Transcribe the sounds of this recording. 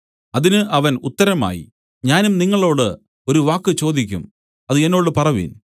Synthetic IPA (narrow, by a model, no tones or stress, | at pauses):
ɐðinɨʔɐʋɐnut̪ːɐɾɐma̰ːjḭ | ɲaːnumniŋːɐɭo̞ːɽɨ | o̞ɾuʋaːkːɨt͡ɕo̞ːd̪ikʲːum | ɐðɨe̞nːo̞ːɽɨpɐrɐʋḭn